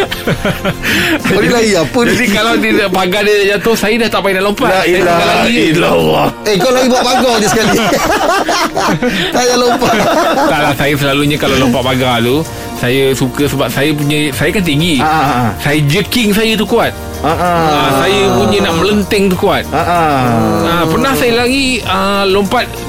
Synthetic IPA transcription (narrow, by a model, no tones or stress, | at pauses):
dilaɡiapundikalawd̪idəʔpaɡadədad͡ʒat̪ʊhsajədaht̪aʔpainaʔlompaajakalaɡiilawaekalaɡibuat̚paɡadisəkali | sajnalompat̪alahsajəsəlaluɲakalawlompaʔpaɡat̪u | sajəsukəsəbap̚sajəpuɲəsajəkant̪iŋɡiasajəd͡ʒəkɪŋsajət̪ukuat̪̚ | aʔəsajəpuɲənaʔmələnt̪ɪŋt̪ukuat̪̚aʔa | əpərnahsajəlaɡiəlompat̪̚